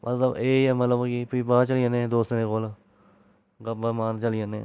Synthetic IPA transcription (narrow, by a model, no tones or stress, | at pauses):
mʔə̰t̪ləbeːɛːmət̪ləbkipibaːt͡ʃəliə̃nẽd̪oːst̪nẽːkoːl | ɡəbəmaːnt͡ʃəliəne